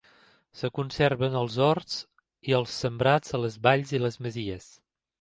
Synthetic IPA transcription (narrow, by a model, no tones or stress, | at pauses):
səkunserβənəlˠzɔrs | iəlˠsːəmbɾad͡zələzβaʎziləzməziəs